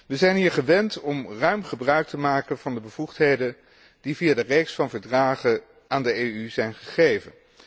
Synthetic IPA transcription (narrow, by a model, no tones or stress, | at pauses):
ʋəzɛjnɦiːɹχəʋɛntɔmrœɥmχəbrœɥk̚təmaːkənv̥ɑndəbəv̥uχtɦejdən | d̥ivijaːdərejksfɑnvəɹdraːχə | ʔaːndəejyzɛjnχəχejvə̰n